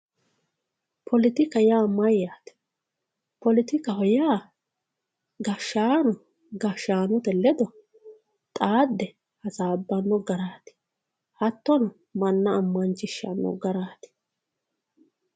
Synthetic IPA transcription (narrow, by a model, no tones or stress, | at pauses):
pʰɔlɪt̪ɪkɐjaːmɐjaːt̪ɪ̥ | pɔlɪt̪ɪkɐhɔjaː | ɡɐʃːaːnɔ | ɡɐʃaːnɔt̪ɛlːɛd̪ɔ | t̪ʼaːd̪ːɛ | hɐsaːbːɐnːɔɡɐɾaːt̪ɪ̥ | hɐt̪ːɔnɔ | mɐnːɐːmːɐnt͡ʃːɪʃːɐ̰nːɔ̰ɡɐɾaːt̪ɪ̥